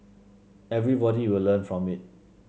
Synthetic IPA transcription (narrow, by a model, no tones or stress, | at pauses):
ɛvɹibɔɾiwɪlːə̃nfɹɔ̃mit̚